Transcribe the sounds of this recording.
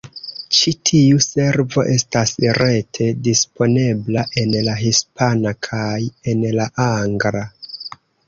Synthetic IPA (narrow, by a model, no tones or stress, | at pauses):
t͡ʃitʰiuse̞ɾvo̞̰ʔe̞stasɾe̞tʰe̞dispʰo̞ne̞blaʔe̞nlaɦispʰanakʰaje̞nlaʔaŋɡɾa